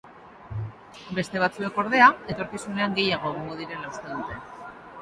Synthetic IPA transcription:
be̞st̪e̞β̞at͡sue̞ko̞ɾðe̞ae̞t̪o̞ɾkisune̞aŋɡe̞jaɣ̞o̞eɣoŋɡo̞ð̞iɾe̞laust̪eðut̪e̞

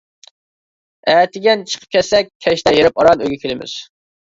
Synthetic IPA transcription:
æːt̪ʰɪɡʲɛnt͡ʃʰə̥qʰə̥p̚kʲʰɛt̪sɛk̚ʲʰːɛʃt̪ɛjeɾɪpɑɾɑnøjɡʲɛkʲʰelɪmɪ̰z̥

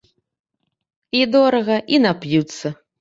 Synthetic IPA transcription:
id̪ɔɾɐɣɐʔinapjut̪sːɐ

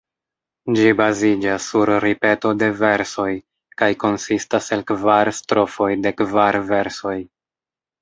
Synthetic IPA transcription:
d͡ʒibazid͡ʒasːuɾɾipe̞to̞de̞ve̞ɾso̞j | kajko̞nsistase̞lkvaɾstɾo̞fo̞jde̞kvaɾve̞ɾso̞j

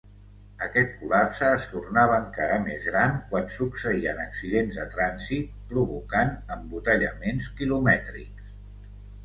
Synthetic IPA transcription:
əkɛt̪̚kulapsəːst̪urnaβəːŋkaɾəmezɣɾankwansuksəiə̰nəksiðenzðət̪ɾanzit̪̚pɾuβukanəmbut̪əʎəmenskilumɛt̪ɾḭks

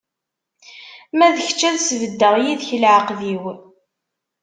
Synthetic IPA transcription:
mæðəçt͡ʃːæðsvəd̪ːəʁjiðçəlʕəqðiw

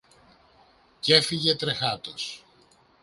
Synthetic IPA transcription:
ce̞fiʝe̞t̪ɾe̞xɐt̪os

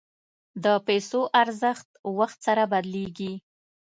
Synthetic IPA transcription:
d̪əpajsoʔaɾzəxt̪waxt̪saɾabad̪leɡi

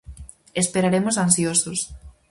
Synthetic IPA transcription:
espeɾaɾemosansjosos

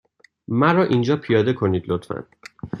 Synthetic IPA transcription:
mæɾɒːʔind͡ʒɒːpʰijɒːd̪e̞kʰo̞niːd̪lot̪ʰfæ̰n

